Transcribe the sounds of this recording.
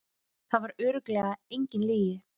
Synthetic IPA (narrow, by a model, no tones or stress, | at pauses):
θaðvaɾʏːɾʏklɛːɣaejɲcɪnliːjɪ